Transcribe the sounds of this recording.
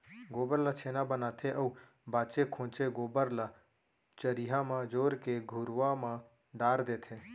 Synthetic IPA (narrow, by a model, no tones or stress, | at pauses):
ɡoːbəɾlat͡ʃʰeːnabənaːt̪ʰeʔəu | baːt͡ʃekʰõːt͡ʃeɡoːbəɾla | t͡ʃəɾiɦamãd͡ʒoːɾkeɡʱʊɾʋamã | ɖaːɾd̪eːt̪ʰeː